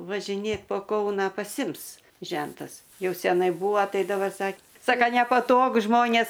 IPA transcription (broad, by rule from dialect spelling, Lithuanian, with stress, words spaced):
ʋɐʒʲɪˈnʲeːt poː ˈkɐʊnɑː pɐˈsʲɪms ˈʒʲɛntɐs ˈjɛʊ sʲɛˈnɐɪ ˈbuːʋoː ˈtɐɪ dɐbɐr ˈsɐk ˈsɑːkɐ nʲɛpɐˈtoːɡʊ ˈʒmoːnʲeːs